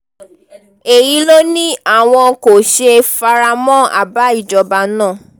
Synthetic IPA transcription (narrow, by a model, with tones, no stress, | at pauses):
e˨ji˨˦lo˦nĩ˦a˦˨w̃ɔ̃˧ko˨ʃe˧fa˧ɾa˧mɔ̃˦a̰˦˨ba˨˦i˦˨d͡ʒɔ˨ba˧nãː˦˨